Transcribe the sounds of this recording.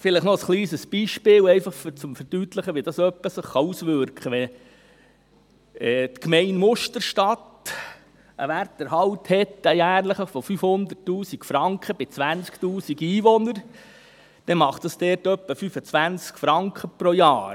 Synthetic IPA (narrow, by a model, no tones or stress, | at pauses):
fɪlɪχnɔəsχliːsəsb̥iːʃpɪːlɛɪfɑχt͡sʊmfəɾd̥yːt̪ləχəʋiɪd̥ɑsœpːəsəχːɑusʋʏɾkχəʋɛ | ɛːt̪kmɛɪnmʊʃtəɾʃtɑt̪ | əʋærtːəɾɦɑwthɛt̪ːəjæːɾləχəfɔfyfhʊnd̪ərtːuːsikfɾɑŋkχəb̥ɪt͡sʋænt͡sktuːsiɡiːʋɔnəɾ | d̪̥ɛmɑχtd̥ɑsd̥̪ɛːɾtœpːəfyfət͡sʋænt͡skfɾɑŋkχəpɾojɑːɾ